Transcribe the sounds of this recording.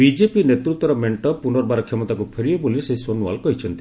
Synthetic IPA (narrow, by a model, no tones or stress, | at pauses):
bid͡ʒepinet̪ɾut̪wɔɾɔmeɳʈɔpunɔɾɔbaɾɔkʰːjɔmɔt̪akupʰeɾiɔboliseiswɔnua̰lɔkɔɦit͡ʃʰɔnt̪i̥